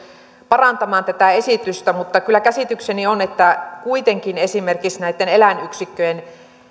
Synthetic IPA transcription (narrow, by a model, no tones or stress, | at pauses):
pɑrɑnt̪ɑmɑːnt̪æt̪æesit̪yst̪æmut̪ːɑkylːækæsit̪yksenionet̪ːækuit̪eŋkinesimerkiksnæit̪ːenelænyksikːøjen